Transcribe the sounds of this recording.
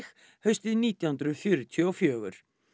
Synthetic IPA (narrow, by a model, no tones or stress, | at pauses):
x | hœɥst̪ɪðniːt̪jahnt̪ɾʏfjœɾʏt̪ʰʏɔfjœːɣʏ̰ɾ̥